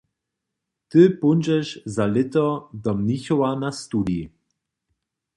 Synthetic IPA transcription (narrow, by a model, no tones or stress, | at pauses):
t̪ɨpunʲd͡ʒɛʃzalɪt̪ɔd̪ɔmniçɔwanast̪ud̪ji